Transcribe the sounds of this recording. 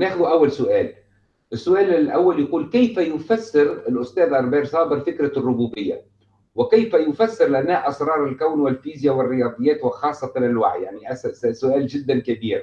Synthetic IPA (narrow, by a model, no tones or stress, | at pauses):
neːxʊðuʔawːalsʊʔæːl | ʔɪsːʊʔæːlɪlʔawːaljaquːlkajfajʊfasːɪɾɪlʔʊst̪ɛːðʕɑɾˤbiːɾsˤɑːbɪɾfɪkɾarːʊbuːbɪjːa̰ | wɪkajfæjʊfasːɪɾlɪʔanːæːʔʔɑsɾˤɑːɾˤɪlkawnwɪlfiːzjawɪrːɪjɑːd̪ˤɨjːæːt̪wɪxɑːsˤːɑtɪnalwa̰ʕjaʕniʔasssʊʔæːlʒɪd̪ːankabiːɾ